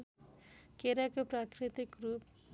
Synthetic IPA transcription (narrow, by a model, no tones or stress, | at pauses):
keɾakoprakɾit̪ikrup